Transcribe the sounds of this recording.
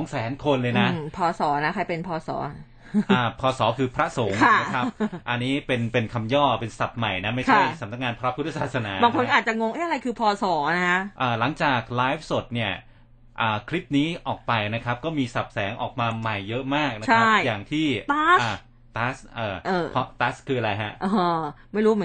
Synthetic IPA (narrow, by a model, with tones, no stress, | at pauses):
ɔ˨˦ŋsɛː˩˦nkʰo˧nlɤː˧jna˦˥˩pʰɔː˧sɔː˩˦na˦˥kʰa˧jpe˧npʰɔː˧sɔ̰ː˩˦ | ʔaː˧˩pʰɔː˧sɔː˩˦kʰɯː˧pʰɾa˦˥so˩˦˩ŋkʰa˥n˩a˦˥a˦˥p̚ʔa˧niː˦˥pe˧npe˧nkʰa˧mjɔː˥˩pe˧nsa˨˩p̚ma˨˩jna˦˥ma˥˩t͡ɕʰa˥˩jsa˨˩˦mna˦k̚ŋaː˧npʰɾa˦˥pʰu˦˥t̪ʰːa˧saː˨˩t̪̚sa˧na̰ː˨˩˦baː˧ŋkʰo˧nʰ˥ʔaː˨˩t̪̚t͡ɕa˨˩ŋo˧ŋʔa˥˩ʔa˧ɾa˧jkʰɯː˧pʰɔː˧sɔː˩˦na˦˥kʰa˦˥ʔaː˨˩la˩˦ŋt͡ɕaː˨˩k̚laː˦˥jf̚so˨˩t̪̚ni˥˩ɐ | ʔaː˨˩kʰɾi˦˥p̚niː˦˥ʔɔː˨˩k̚pa˧jna˦˥kʰa˦˥p̚kɔː˥˩miː˧sa˨˩p̚sɛː˩˦ŋʔɔ̰ː˨˩k̚maː˧ma˨˩jːɤ˦˥ʔmaː˥˩k̚na˦t͡ɕʰa˥a˥˩jjaː˨˩ŋt̪ʰiː˥˩t̪aː˦˥a˧˩ | t̪aː˦˥sʔɤː˨˩ʔɤː˨˧˩pʰɔ˦˥t̪aː˦˥skʰɯː˧ʔa˧a˧jɦa˦˥ʔʔo˧˩ma˥˩jɾuː˦˥mɯ˩˦